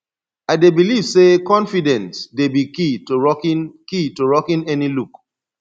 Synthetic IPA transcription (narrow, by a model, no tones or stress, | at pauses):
aɪdebiliv̥sekɔ̃nfidɛ̃nsdebikitonkitoɹɔkĩnɛniluk